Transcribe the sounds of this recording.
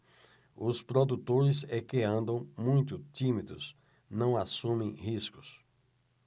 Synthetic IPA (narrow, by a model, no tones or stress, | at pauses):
ʊspɾod̪ut̪oɾɪzɛkeɐ̃nd̪ɐ̃w̃mũj̃t̪ʊt̪ĩmid̪ʊ̰s | nɐ̃w̃asũmẽj̃hiskʊ̥s